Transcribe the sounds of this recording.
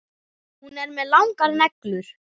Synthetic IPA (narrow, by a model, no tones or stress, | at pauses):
hunɛɾmɛðlawŋkaɾnɛklʏɾ̥